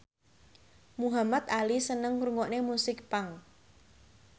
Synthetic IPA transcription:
muɦamat̪alisənəŋɾuŋɡɔʔnemusɪk̚paŋ

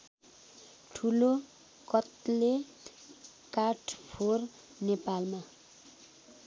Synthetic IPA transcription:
ʈʰulo | kʌt̪le | kaʈʰpʰor | nepalma

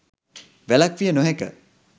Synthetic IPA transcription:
ʋɛlakʋijənoɦɛkə̰

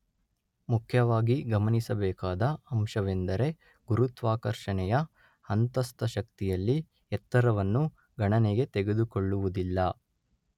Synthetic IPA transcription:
mukʰjɐʋaːɡiɡɐmɐnisɐbɛːkaːd̪ɐɐmʃɐʋe̞nd̪ɐɾe̞ | ɡuɾut̪ʋaːkɐɾʂɐɳɛjɐ | ɐnt̪ɐst̪ʰɐʃɐk̚t̪ijɐlːi | ɛt̪ːɐɾɐʋɐnːu | ɡɐɳɐneɡe̞t̪eɡe̞d̪ukoɭːuʋud̪ilːɐ

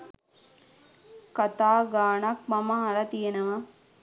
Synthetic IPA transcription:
kɐt̪aːɡaːɳɐk̚mɐmɐɦɐlɐt̪ijenəʋɐ

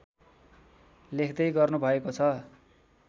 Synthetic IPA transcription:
lekʰd̪ʌjɡʌrnubʱʌekot͡sʰʌ

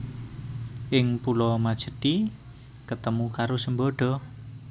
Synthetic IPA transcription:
ʔɪŋpulɔmad̥ʒ̥ə̤t̪i | kət̪əmukaɾosəmbɔɖ̥ɔ̤

